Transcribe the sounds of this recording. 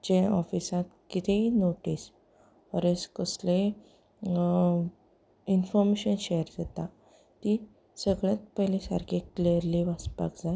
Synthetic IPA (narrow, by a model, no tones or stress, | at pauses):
d͡ʑeɔfisãt̪kit̪ʰeinoʈis | ɔɾeskəsle | infɔɾmeɕənɕejɾd͡zat̪a | t̪i | səɡɭjat̪̚pəɦlẽsa̰ɾkʰekliəɾliʋaspa̰kd͡zaj